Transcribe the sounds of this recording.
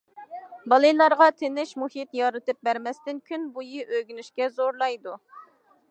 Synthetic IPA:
bɑlˠɨjlˠɑɾʁɑt̪ʰenɪʃmuhit̪jɑɾɨt̪ɨp̚bæɾmɛst̪ɪnkʲʰynbujiʔøɡʲynyʃkʲɛzoɾlˠɑjd̪u

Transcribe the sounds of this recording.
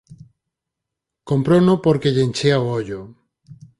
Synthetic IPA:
kompɾonopoɾkeʎent͡ʃeaooʎʊ

